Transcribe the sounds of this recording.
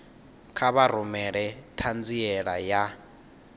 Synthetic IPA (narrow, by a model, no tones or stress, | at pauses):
kʰaβaɾumɛɺɛtʰand͡ziɛɺaja